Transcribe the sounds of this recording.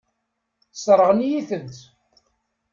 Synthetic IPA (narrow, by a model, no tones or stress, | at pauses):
sˤɾˤəʁənijiθənt̪